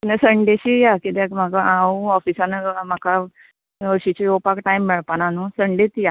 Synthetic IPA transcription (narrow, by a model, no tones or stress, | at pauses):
inesəɳɖeɕijakit̪ɛkm̤akaaũɔfisanm̤aka | ʋəɾɕit͡ɕejopakʈajmːiɭpananusəɳɖet̪ja